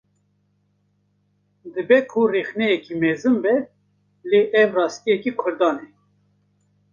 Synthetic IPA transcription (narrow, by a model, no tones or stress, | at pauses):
d̪ɨbɛkʰurexnɛjɛkimɛzɨmbɛ | leːʔɛvrɑːst̪ijɛkikʷʰʊɾd̪ɑːnɛ